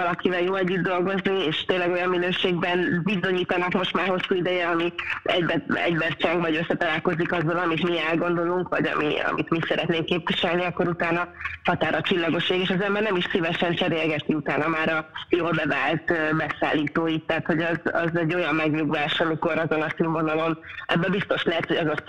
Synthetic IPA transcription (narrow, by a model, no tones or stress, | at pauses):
ɒlɒkivɛljoːlɛɟːyd̪ːo̞lɡo̞znieːʃt̪eːnlːɛɡo̞jɒmminøːʃeːɡ̚bɛnbizo̞ɲiːt̪ɒnɒkmo̞ʃt̪maːrɦo̞sːuːid̪ɛjɛɒmiɛ̰ɟbɛɛ̰ɟbɛrt͡ʃɛŋɡʋɒɟø̞sːɛt̪ɒlaːlko̞zikɒzɒlɒmit̪miɛlɡo̞nd̪o̞luŋkʋɒɟɒ̰mḭɒ̰mit̪misɛɾɛt̪neːŋkːeːpviʃɛlniɒkːo̞ɾut̪aːnɒhɒt̪aːɾɒt͡ʃilːɒɡo̞ʃːeːɡeːʃɒzɛmbɛrnɛmiʃsivɛʃɛnt͡ʃɛɾeːlɡɛt̪iut̪aːnɒmaːɾɒjoːlbɛvaːlt̪bɛsa̰ːlːiːt̪oːit̪ːɛɦːt̪ho̞ɟɛzɒ̰zɛɟːo̞jɒmːɛɡɲuɡvaːʃɒmiko̞ɾɒzo̞nɒsyːɱvo̞nɒlo̞nʔɛ̰bːɛbist̪o̞ʃlɛɦɛt̪ho̞ɟɒzos